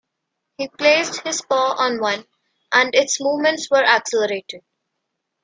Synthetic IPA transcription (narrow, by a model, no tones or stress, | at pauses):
hiːpleːsɖhɪz̥pɔːʔɔ̃ːnʋʌ̃n | ʔæ̃ɳɖɪʈsmuːʋmə̃ɳʈsʋəɾæksɛləɾeːʈɪɖ̚